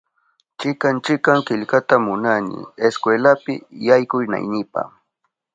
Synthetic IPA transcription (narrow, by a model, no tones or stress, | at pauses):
t͡ʃɪkant͡ʃɪkːaŋkɪʎkat̪amʊnanɪ̰eskwelapɪ̰jajkʊjna̰jnɪpa̰